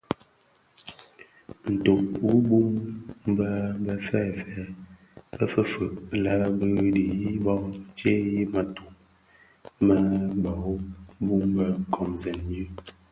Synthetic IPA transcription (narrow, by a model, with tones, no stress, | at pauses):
n̩˨to˨ʔu˦bu˦m˦bə˦bə˨fɛ˦˨fɛ˨˦ | bə˦fə˦fə˨ʔla˦bə˦di˨ji˦bɔ˦t͡ʃe˦ji˦ma˨tu˨ŋ | mə˦ba˨˦bu˦mbə˦ŋ˨kʰɔ˨mzɛ˨n˦d͡ʒi˦